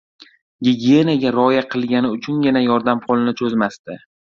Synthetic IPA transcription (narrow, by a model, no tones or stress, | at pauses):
ɡʲɪɡʲie̞naɡʲaɾɒjaqʰɨlˠɡʲanɪʊt͡ʃʰʊnjʲɪnajɒɾd̪amqʰɒlˠnɪt͡ʃʰɵzmast̪ɪ